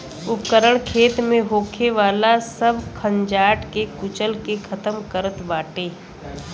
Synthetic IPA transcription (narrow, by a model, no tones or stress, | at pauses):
ʊpkəɾəɽ̃kʰeːt̪mẽɦoːkʰeʋaːlasəbkʰə̃ɲd͡ʒaːʈkekʊt͡ʃəlkekʰɐt̪əmkəɾət̪baːʈeː